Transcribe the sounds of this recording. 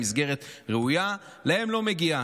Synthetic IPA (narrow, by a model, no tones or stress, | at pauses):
izɡe̞ʁet̪ʁeuja | lahe̞mlo̞meɡia